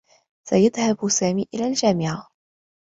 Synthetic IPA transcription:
sajaðhabsaːmiːʔɪlaːld͡ʒaːmɪʕa

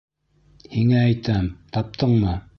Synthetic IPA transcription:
hiŋæːjt̪æmt̪ɑp̚t̪ʰɤɴmɤ

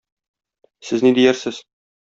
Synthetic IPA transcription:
sɘznid̪ijæɾsɘz

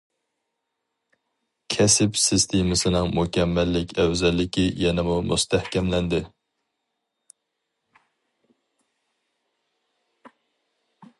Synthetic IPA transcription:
kʲʰɛsɪpsɪst̪ʰemɨsɨnɨŋmukʲʰɛmːɛlːɪkʲɛwzɛlːɪkʲʰijɛnɪmumust̪ʰæhkʲɛmlɛnd̪ɪ

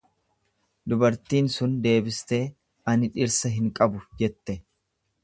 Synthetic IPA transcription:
d̪ʊbɐɾt̪iːnsʊnd̪e̞ːbɪst̪e̞ː | ɐnɪᶑɪɾsɐɦɪŋkʼɐbʊd͡ʒɛt̪ːɛ

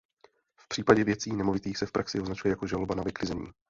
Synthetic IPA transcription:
fpr̥iːpaɟɛvjɛt͡siːnɛmo̞vɪt̪iːxsɛfpɾaksɪoznat͡ʃujɛjako̞ʒalobanavɪklɪzɛɲḭː

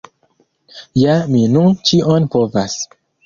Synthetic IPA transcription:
jaminunt͡ʃiʔonpovas

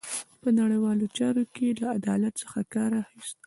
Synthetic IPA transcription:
pənaɽəjwɑlot͡ʃɑɾokelaad̪ɑlat̪səxakɑɾaxist̪̚

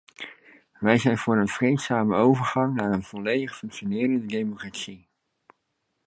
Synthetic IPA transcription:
ʋɛjzɛjnvʊːɹənv̥rejtsaːməowvəɹχɑŋnaːɹənv̥ɔlejdəχfɵŋkʃonɪːrəndədejmokratsi

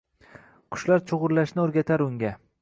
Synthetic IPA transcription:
qʰʊ̥ʃlaɾt͡ʃʰoʁʊɾlaʃnɪoɾɡʲat̪ʰaɾʊŋɡʲa

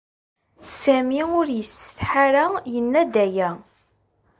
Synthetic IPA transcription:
sæmiʊɾjəsːə̥θħaɾajənːæd̪æjæ

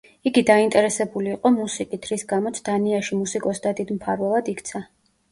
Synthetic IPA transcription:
iɡid̪aint̪ʼɛɾɛsɛbuliːqʼɔmusikʼit̪ʰɾisɡamɔt̪sʰd̪̥aniaʃimusikʼɔsd̪ad̪id̪mpʰaɾvɛlˠad̪ikʰt̪sʰa

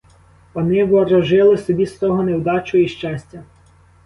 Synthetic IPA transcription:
ʋɔnɪʋɔɾɔʒɪlˠɪsɔbʲist̪ɔɦɔnewd̪ɑt͡ʃɔjiʃt͡ʃɑsʲtʲɐ

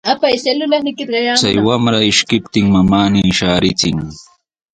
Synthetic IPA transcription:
apajselʊlanɪkɪt̪ɢɑjat͡sa̰jwamɾaɪʃkɪpt̪ɪŋmamaːniːʃaːɾɪt͡sɪŋ

